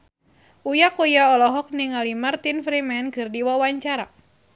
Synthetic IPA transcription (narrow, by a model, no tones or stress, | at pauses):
ʔujakujaɔlɔɦɔk̚niŋalimart̪infɾimɛnkɨrdiwawaɲt͡ʃaɾa